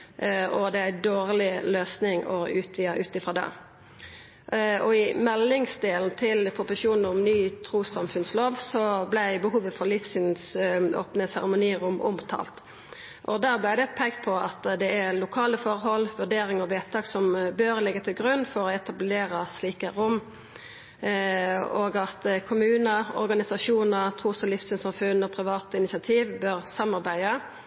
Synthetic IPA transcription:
ɔd̪ɛæɪd̪oːʁlɪløːsnɪŋɔʉːt̪ʰʋiːəʔʉːt̪ɪfɾɑːd̪ɛ̰ː | ɔɪmɛlːɪŋsd̪eːlnt̪ʰɪlpʰʊpʊʃuːnn̩ʊmnyːt̪ʰɾuːsɑmfʉnsloːʋsɔblæɪbəɦuːʋəfɔɾlɪfsyːnso̰ːpnəsæʁɛmʊniːəɾʊmʔʊ̰mt̪ʰɑ̰ːlt̪ | ʔɔd̪æːʁblæɪd̪ɛpʰɛɪɡt̪pʰɔɑt̪d̪ɛæʁlʊkʰɑːləfɔʁɦɔlːʋʉʁɖeːɾɪŋɔʋɛːt̪ʰɑːɡsɔmbøɾlɛɡːət̪ʰɪlɡʁʉnːfɔɾɔɛt̪ɑbleːɾəsliːkəɾʊmː | oːɡɑt̪kʰʊmʉːnəɾɔ̰ɾɡɑnɪsɑʃuːnəʁt̪ʰʁuːsɔlɪfsʏːnsɑmfʉnɔpʰʁɪʋɑːt̪əɪnɪsɑt̪ʰiːʋbøːʁsɑmːɑɾbæɪə

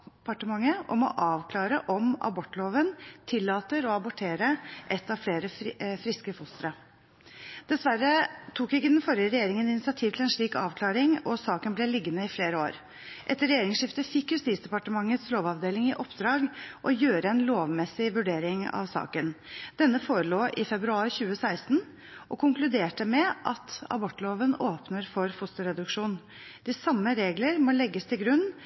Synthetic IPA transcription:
pɑʈəmɑŋːəʔɔmɔ̰ʔɑːʋkʰlɑːɾəʔɔmɑ̰bɔʈːloːʋənt̪ʰɪlːɑːt̪əɾɔɑbɔʈʰeːɾəʔɛt̪ːɑʋfleːɾəfɾɪskəfʊst̪ɾə | d̪̥ɛsʋærːət̪ʰuːkɪkːəd̪ɛnfɔɾjəɾɛjeːɾɪŋənɪnɪsɪɑt̪ʰiːʋt̪ʰlɛnʂɭiːkɑ̰ːʋkʰlɑːɾɪŋɔsɑːkənblɛlɪɡːənəɪfleːɾəo̰ːɾ | ʔɛt̪ːəɾɛjeːɾɪŋsʂɪft̪əfɪkːjʉst̪iːsd̪ɛpɑʈəmɑŋːət̪sloːʋɑʋd̪eːlɪŋɪʔɔpd̪ɾɑːɡʔɔjøːɾəɛnloːʋmɛsɪʋʉɖeːɾɪŋɑ̰ʋsɑ̰ːkənd̪̥ɛnːəfoːɾəloːʔɪfɛbɾʉɑːɾçʉːəsæɪst̪n̩ | ʔɔkʰʊŋklʉd̪eːʈəmɛʔɑt̪ɑ̰bɔʈːloːʋənoːpnəɾfɔɾfʊst̪ʊɾɛd̪ʉkʂuːn | d̪̥ɪsɑmːəɾeːɡləɾmɔlɛɡːəst̪ʰɪlɡɾʉnː

